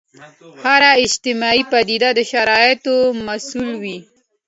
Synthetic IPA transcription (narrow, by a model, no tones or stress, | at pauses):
haɾaɪd͡ʒt̪ɪmɑipad̪id̪ad̪əʃaɾɑjɪt̪omasulwi